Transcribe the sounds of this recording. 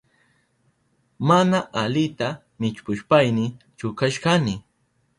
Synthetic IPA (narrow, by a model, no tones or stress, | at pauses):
manaʔalɪt̪a | mɪt͡ʃpʊʃpajnɪ | t͡ʃʊkaʃkanɪ